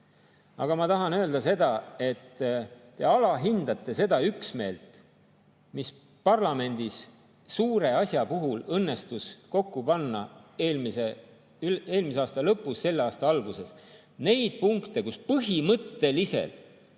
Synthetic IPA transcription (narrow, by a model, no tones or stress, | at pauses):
ɑ̰ɡ̥ɑmɑt̪ɑɦɑnø̞ːld̪ɑse̞d̪ɑe̞t̪ː | e̞ɑlɑɦind̪ɑt̪ˑːe̞se̞d̪̥ɑyksme̞ːlt̪ˑ | mis | pɑrlɑme̞nʲd̪is | suːɾe̞ɑsʲjɑpuɦulɤnːe̞st̪usko̞kːupɑnːɑelmise | yle̞ːlmis̬eɑːst̪ɑlɤpːˑusːe̞lːeɑːst̪ɑɑlɡ̥use̞s | ne̞jd̪̥̚puŋkt̪e̞kuspɤɦimɤt̪ːe̞lise̞̰l